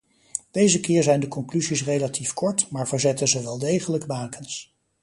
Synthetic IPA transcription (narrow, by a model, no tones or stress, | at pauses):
d̥ejzəkɪːɹzɛjndəkɔŋklyzisrejlatifkɔɹtmaːɹvəɹzɛtənzəʋɛlˠdejχələɡbaːkʰəns